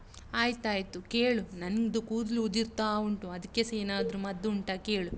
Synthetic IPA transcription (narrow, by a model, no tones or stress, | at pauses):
aːjt̪aːjt̪ukeːɭunɐnɡd̪ukuːd̪luud̪iɾt̪aːuɳʈuɐd̪ikːeseːnaːd̪ɾumɐd̪ːuɳʈakeːɭu